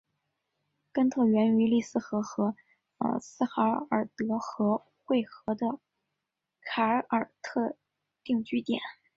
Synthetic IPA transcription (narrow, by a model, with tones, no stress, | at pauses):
kə˥nt̪ʰɤ˥˩ɥɛ˧˥ny˧˥li˥˧sɹ̩˥˩xɤ˧˥xɤ˧˥ | ə̰˞˨˩sɹ̩˥˩xa˧˥ə˞˨˩t̪ɤ˧˥xɤ˧˥ | xwe˥˩ɪxɤ˧˥d̪ə˧ | kʰa˧˥ʔə˨˩t̪ʰɤ˥˧ | t̪i˥˩˧ŋt͡ɕy˥t̪jɛ̰˨˩˦n